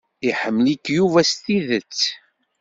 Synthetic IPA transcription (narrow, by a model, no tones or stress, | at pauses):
iħəmːlikːjuvæst̪iðət͡sː